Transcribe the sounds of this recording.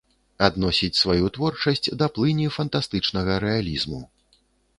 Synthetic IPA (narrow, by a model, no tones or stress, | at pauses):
ad̪nɔsʲit͡sʲsvajut̪vɔrt͡ʂɐsʲt͡sʲd̪ɐplˠɨnʲifɐnt̪ast̪ɨt͡ʂnɐɣɐɾɛalʲizmu